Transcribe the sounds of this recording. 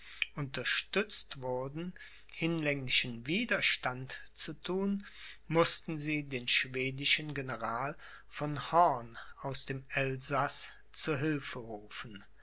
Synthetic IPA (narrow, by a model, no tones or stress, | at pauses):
ʔʊntɐʃtʏt͡stv̥ʊɐdn̩ | hɪnlɛŋlɪʃənviːdɐʃtantt͡sutʰuːnmʊstn̩ziːdeːnʃv̥eːdɪʃənɡenəʁaːl | fɔnhɔɐnaʊsd̥eːmɛlzas | t͡suːɐɦɪlfəʁuːfn̩